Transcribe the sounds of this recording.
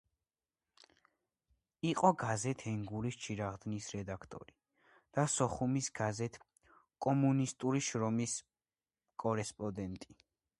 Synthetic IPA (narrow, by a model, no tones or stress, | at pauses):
iqʼɔɡazɛt̪ʰɛŋɡuɾist͡ʃʰiɾaʁd̪nisɾɛd̪akʰt̪ʼɔ̰ɾi | d̪̥asɔχumisɡ̥azɛt̪ʰ | kʼɔmunist̪ʼuɾiʃɾɔmis | kʼɔɾɛspʼɔd̪ɛnt̪ʼi